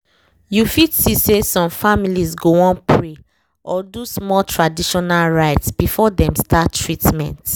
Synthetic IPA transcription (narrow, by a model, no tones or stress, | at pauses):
jufidsisesɔ̃mfamilizɡoɔ̃npʰɹe | ʔɔdusmɔltʰɹadiʃɔnalɹaɪtsb̥ifɔdɛ̃mstʰatːɹitmɛ̰̃nt